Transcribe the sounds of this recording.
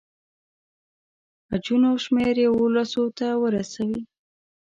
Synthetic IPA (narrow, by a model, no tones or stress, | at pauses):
ad͡ʒunoʃmeɾjewolasot̪awəɾasawi